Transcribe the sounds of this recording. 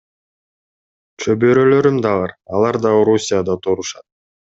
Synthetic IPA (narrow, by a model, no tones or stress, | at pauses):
t͡ʃʰøbøɾølø̞ɾymd̪ɑvɑɾɑlˠɑɾd̪ɑoɾusʲijad̪ɑt̪ʰoɾuʃɑt̪̚